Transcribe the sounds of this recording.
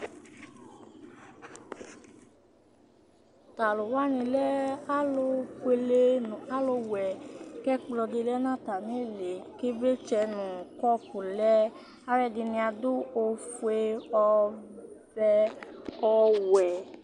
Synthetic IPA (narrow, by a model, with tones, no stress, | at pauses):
ta˨lo˨wa˦nĩ˧lɛ˦a˦lo˧ke˧le˧ñ˨a˦lo˧wɛ˨kɛ˦k͡plɔ˧de˧lɛ˦nã˦˨ta˨nĩ˨˦e˦˨le˨ke˦bɾe˦t͡ʃɛ˧nũ˨kɔ˦˨pu˨lɛ˦ | a˦ɾɛ˦˨di˧nĩ˧a˧du˦o˧fe˧ɔ˧ | bɛ˧ɔ˧wɛ˨